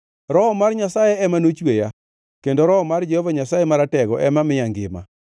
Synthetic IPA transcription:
ɾɔɔmarɲasajɛɛmanot͡ʃweja | kendoɾɔɔmard͡ʒɛhɔvaɲasajemaɾatɛɡɔʔɛmamɪjaŋɡɪma̰

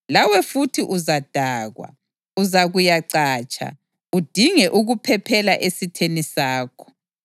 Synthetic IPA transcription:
lawɛfutʰiʔuzad̥ʱaːɣwa̰ | uzaɣujaǀaːt͡ʃʼa̰ | ud̥ʱiŋɛʔuɣupʰɛpʰɛlaʔesitʰenisaːkʰɔ̥

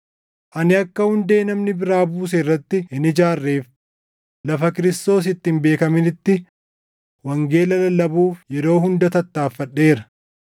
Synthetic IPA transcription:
ʔɐnɪɐkːɐhʊnd̪e̞ːnɐmnɪbɪɾaːbuːs̬eɪrːɐt̪ːɪɪnɪd͡ʒaːrːe̞ːf | lɐfɐkɪɾɪst̪o̞ːs̬ɪt̪ːɪmbe̞ːkɐmɪnɪt̪ːɪ | wɐŋɡe̞ːlɐlɐlɐbuːfjɛɾo̞ːhʊnd̪ɐt̪ɐt̪ːaːfːɐɗe̞ːɾɐ̥

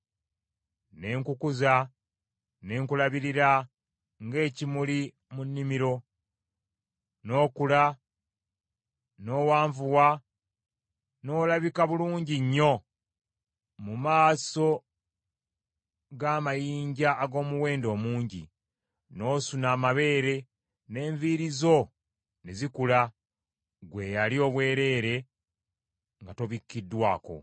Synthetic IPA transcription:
ne̞ːŋkukuza | ne̞ːŋkulaβiɾiɾa | ŋɡe̞ːcimuli | munːimiɾo̞ | no̞ːkula | no̞ːwaːɱvuwa | no̞ːlaβikaβuluːɲɟiɲːo̞ | mumaːso̞ | ɡaːmajiːɲɟaʔːɡo̞ːmuwe̞ːndo̞ːmuːɲɟḭ | no̞ːsunaːmaβe̞ːɾe̞ | ne̞ːɱviɾizo̞ | nezikula | ɡwe̞jalio̞ːβwe̞ːɾe̞ːɾe̞ | ŋɡato̞βikːidːwaːko̞̰

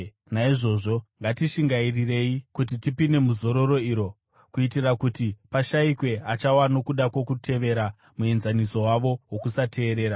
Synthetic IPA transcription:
naiʐo̞ʐo̞ŋɡatiʃiŋɡairire̞ikut̬itipine̞muzo̞ɾo̞ɾo̞iːɾo̞ | kuitirakutipaʃaikwe̞at͡ʃawano̞kuɗakwo̞kutʰe̞ʋe̞ɾa | muenzaniso̞waʋo̞wo̞kusatʰe̞ːɾe̞ːɾa

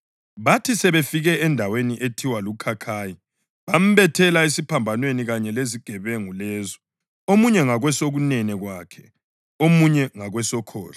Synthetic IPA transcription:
βatʰisɛβefiɣɛɛndʱaweniʔetʰiwalukʰakʰaːji | βam̩βɛtʰɛlaesipʰambʱanweniɣaɲɛleziɡ̥ʱɛβɛŋulɛːzɔ | omuɲɛŋaɣwɛsoɣunɛnɛɣwaːkʰɛ̥̰ | omuɲɛŋaɣwɛsɔkʰɔ̰ːla

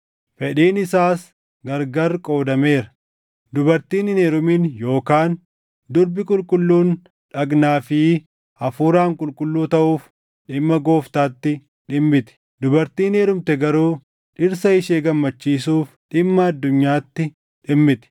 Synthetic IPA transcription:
fɛᶑiːnɪsaːs | ɡɐɾɡɐɾkʼo̞ːd̪ɐme̞ːɾɐ | d̪ʊbɐɾt̪iːnɪneːɾʊminjo̞ːkaːn | d̪ʊɾbɪkʼʊlkʼʊlːuːn | ᶑɐɡnaːfiː | ɐfuːɾaːŋkʼʊlkʼʊlːuːt̪ɐʔuːf | ᶑɪmːɐɡo̞ːft̪aːt̪ːɪ | ᶑɪmːɪt̪ɛ̥ | d̪ʊbɐɾt̪iːneːɾʊmt̪ɛɡɐɾuː | ᶑɪɾsɐɪʃeːɡɐmːɐt͡ʃːiːsuːfᶑɪmːɐɐd̪ːʊɲːaːt̪ːɪ | ᶑɪmːɪt̪ɛ̥

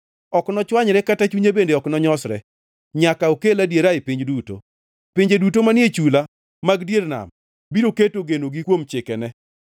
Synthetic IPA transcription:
ɔknɔt͡ʃwaɲɾɛkatat͡ʃuɲebendeɔknɔɲɔsɾɛ̰ | ɲakaokeladjeɾaɪpiɲd͡ʒduto̰ | pɪɲd͡ʒedutomanjet͡ʃula | maɡdjeɾna̰m | biɾoketoɡenoɡikwomt͡ʃɪkɛnɛ

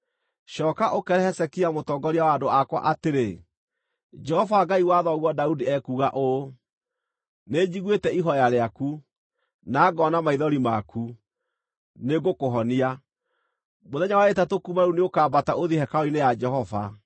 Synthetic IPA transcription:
ʃɔːkaʔokɛɾɛhɛsɛkiamotɔːɡɔɾiawaːdoakwa̰ʔateɾe | d͡ʒɛhɔvaɡaiwaðɔɣwɔdaudiɛkuɣaʔo | ned͡ʑiɣwetɛiɦɔjaɾeaku | naːɡɔnamaiðɔɾimaku | neɡokoɦɔnia | moðɛɲawaetatokumaɾuneokaːbataoðiɦɛkaoinead͡ʒɛɦɔva̰

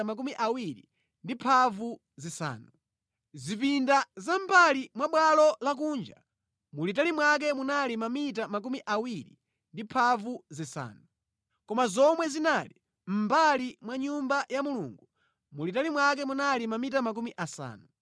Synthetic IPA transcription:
amak̬umiʔawiɾḭ | ndipʰavu | zisa̰ːnu | zipindazambalimwaɓwalɔlak̬uːnd͡ʒa̰ | mulitalimwak̬ɛmunalimamitamak̬umiʔawiɾḭ | ndipʰavuzisa̰ːnu | kɔmazɔmwɛzinaːli | m̩balimwaɲumbajamulṵːŋɡu | mulitalimwak̬ɛmunalimamitamak̬umiʔasa̰ːnu

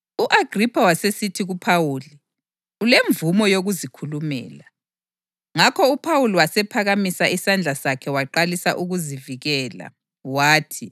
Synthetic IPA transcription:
uʔaɡripʰawasesitʰiɣupʰawuːli | uleɱvumɔjoɣuzikʰulumɛ̰ːla | ŋakʰɔupʰawuliwasɛpʰaɣamisaʔisand͡ɮʱasakʰɛwaǃalisaʔuɣuziviɣɛːla̰ | waːtʰi

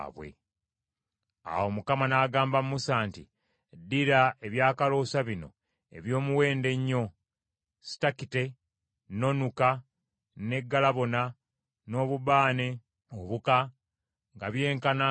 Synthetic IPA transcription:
βwe̞̰ | a̰wo̞mukamanaːɡaːmbammːusaːnti | dːiɾae̞βjaːkalo̞ːsaβino̞̰ | e̞̰βjo̞ːmuwe̞ːnde̞ɲːo̞ | si̥takite̞ | no̞nuka | ne̞ɡːalaβo̞na | no̞ːβuβaːne̞ | oβuka | ŋɡaβje̞ːŋkana

